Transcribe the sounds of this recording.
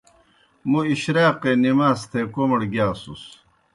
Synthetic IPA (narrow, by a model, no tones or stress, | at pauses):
muiɕɾaːqenimaːst̪ʰekomɐɽɡaːsus